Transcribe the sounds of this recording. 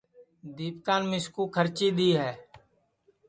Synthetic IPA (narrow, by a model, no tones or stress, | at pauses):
d̪iːpkaːnmɪskuːkʰəɾt͡ʃiːd̪iːɦɛː